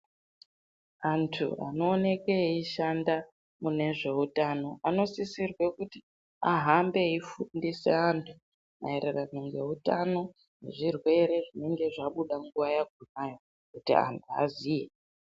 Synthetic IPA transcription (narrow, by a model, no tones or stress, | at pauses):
antʰṵa̰no̞ːne̞keiʃanda | mune̞ʐe̞utano̞ano̞sisirwe̞kuti | aɦambe̞ifundise̞̰antʰu | ma̰ereranoŋɡe̞̰utano̞ | neʐirwe̞ɾe̞ʐine̞ŋɡe̞ʐaɓuɗaŋɡuʋajaɡʱumajo̞ | kutḭa̰ntʰua̰zije